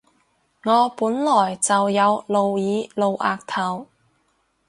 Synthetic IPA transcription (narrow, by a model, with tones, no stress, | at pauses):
ŋɔː˨˧puː˨˥nlɔː˨˩jt͡sɐ˨wjɐ˨˧wlo˨wjiː˨˧˥lo˨˧wʔaː˨˧k̚t̪ʰɐ˨˩w